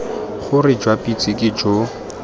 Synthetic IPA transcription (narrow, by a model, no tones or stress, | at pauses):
χʊrɪd͡ʒwapʼit͡sʼɪkʼɪd͡ʒo